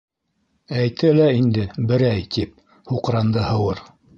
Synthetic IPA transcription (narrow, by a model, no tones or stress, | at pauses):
æjt̪ʰɘlæind̪ɘbɘ̆ɾæjt̪ip̚ | huqɾɑnd̪ɤhɤ̆wɤɾ